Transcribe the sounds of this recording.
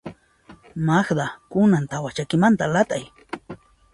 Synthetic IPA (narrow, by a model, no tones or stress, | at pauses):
maxd̪akʊnant̪awat͡ʃakɪmant̪alat̪aj